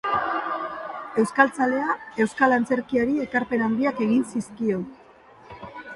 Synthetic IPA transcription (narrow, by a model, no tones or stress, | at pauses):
e̞wskalt͡sale̞ae̞wskalant͡se̞ɾkiaɾie̞kaɾpe̞nand̪iake̞ɣ̞insiskio̞